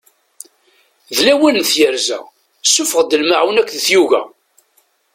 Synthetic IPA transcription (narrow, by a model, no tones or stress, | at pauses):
ðlæwænːθjəɾzæ̰ | sːʊfəʁd̪əlmaʕwnækʷːðəθjuʝæ̰